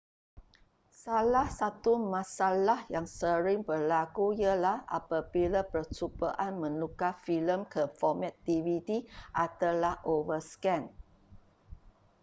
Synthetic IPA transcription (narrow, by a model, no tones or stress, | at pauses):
salahsat̪umãsalahjaŋsəɾɪŋbərlakujəlaha̰pabilapərt͡ʃubaʔanmə̃nukafiləmkʰəfɔmɛ̃t̪̚divit̪iʔat̪alahʔovəskɛ̃n